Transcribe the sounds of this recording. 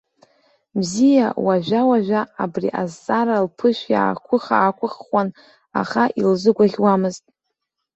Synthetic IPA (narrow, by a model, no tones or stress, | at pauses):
bzijawaʒʷᶣawaʒʷᶣaːbrḭʔazt͡sʼaɾalpʰɨʃʷᶣja̰akʷʰʊχa̰ːkʷʰʊχwan | a̰χaʔilzɨɡʷaχʲwamɨztʼ